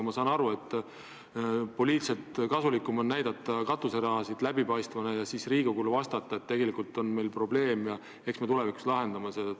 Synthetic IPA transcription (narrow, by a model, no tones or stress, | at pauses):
mɑsɑːnɑɾue̞t̪ːˑ | po̞liːt̪set̪kɑsulikːˑumonnæjd̪̥ɑt̪ːˑɑkɑt̪ːˑuseɾɑɦɑsid̪̥læbipɑjst̪vɑnɑjɑsiːsriːɡ̥ukulvɑst̪ɑt̪ːˑɑet̪ːe̞ɡ̥e̞likˑult̪ːˑo̞nme̞jlpro̞ble̞ːmjɑ | eksmet̪ule̞viku̥slɑɦe̞nd̪̥ɑmɑse